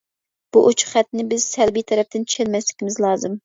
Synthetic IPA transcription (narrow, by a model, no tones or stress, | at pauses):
b̥uʔot͡ʃʰʊ̥χχɛt̪nɪbɪzsɛlbijt̪ʰɛɾɛp̚t̪ɪnt͡ʃʰi̥ʃʰɛlmɛslɪkʲimɪzlˠɑːzɨm